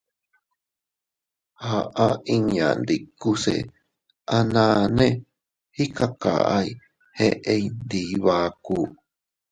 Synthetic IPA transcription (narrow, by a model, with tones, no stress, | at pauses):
ha˨ʔa˦ĩ˧ɲã̰˨nd̪i˨ku˦sḛ˨ | ʔa˧nã˧nẽ˦ | hi˦ka˧ka̰˨ʔa̰˦i˧ | he˦˧ʔe˧ind̪i˨˦βa˦ku˦